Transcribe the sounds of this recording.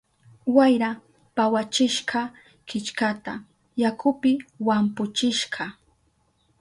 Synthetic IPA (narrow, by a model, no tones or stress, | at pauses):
wajɾa | pawat͡ʃɪʃɢɑ | kɪt͡ʃkat̪a̰ | jakʊpɪwampʊt͡ʃɪʃɢɑ